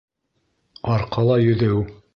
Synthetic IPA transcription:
ɑɾqʰɑlˠɑjɵ̆ðɘw

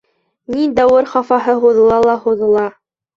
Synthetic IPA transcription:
nid̪ɑwɤɾχɑfɑɦɤɦuðɤ̆lˠɑlˠɑhuðɤ̆lˠɑ

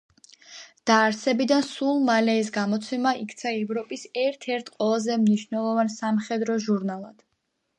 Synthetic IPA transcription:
d̪̥aːɾsɛbid̪ansulˠmalɛis̬ɡamɔt̪sʰɛmaʔikʰt̪sʰaɛvɾɔpʼisɛɾt̪ʰɛɾt̪ʰqʼwɛlˠazɛmniʃnɛlˠɔvansamχɛd̪ɾɔʒuɾnalˠad̪̥

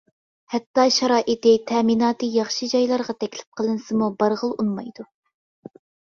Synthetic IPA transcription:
hɛt̪ːɑʃɑɾɑːʔit̪ɪt̪ʰɛminɑːt̪ɨjɑχʃɨd͡ʒɑjlˠɑɾʁɑt̪ʰɛkʲlɪ̥p̚qʰəlˠɨnɨsɨmubɑɾʁəlˠunmɑjd̪u

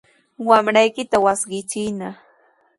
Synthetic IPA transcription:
wamɾajkɪt̪awasɢɪt͡ʃɪna

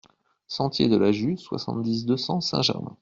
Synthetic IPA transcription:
sɑ̃t̪jḛd̪əlaʒyswa̰sɑ̰̃t̪d̪is̬d̪øsɑ̃sɛ̰̃ʒɛ̰ʁmɛ̰̃

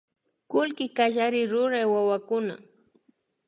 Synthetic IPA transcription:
kʊlkɪkaʒaɾɪɾʊɾajwawakʊna̰

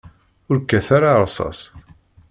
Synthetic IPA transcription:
ʊɾkːæθaɾaɾˤsˤɑ̰s

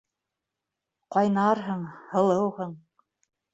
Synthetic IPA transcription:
qɒjnɑɾɦɤɴhɤ̆lˠɤwhɤ̆ɴ

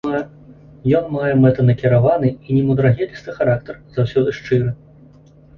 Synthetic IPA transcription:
jɔnmajɛmɛt̪ɐnɐkʲiɾavanɨinʲɛmud̪ɾaɣʲɛlʲist̪ɨxaɾak̚t̪ɐrzawsʲɔd̪ɨʂt͡ʂɨɾɨ

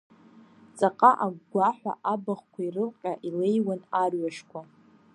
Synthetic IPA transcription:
t͡sʼaqʼaʔaɡɡʷaħʷa̰ʔabaχkʷʰairɨlqʲʼaʔilejwanarɥaʂkʷʰa

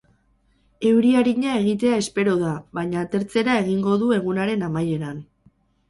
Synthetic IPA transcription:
e̞wɾiaɾiɲae̞ɣ̞it̪̬e̞ae̞spe̞ɾo̞ðaβajɲaːt̪e̞ɾt͡se̞ɾae̞ɣ̞iŋɡo̞ðue̞ɣ̞unaɾe̞namaje̞ɾan

